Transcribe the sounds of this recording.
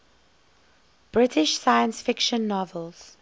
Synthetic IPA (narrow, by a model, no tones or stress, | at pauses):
b̥ɹɪtʰɪʃsajə̃nsfɪkʃə̃nːɔvəlz̥